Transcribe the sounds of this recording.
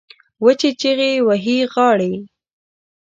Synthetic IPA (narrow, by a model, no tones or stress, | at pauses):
wət͡ʃet͡ʃeɣewaɦiɣɑɽe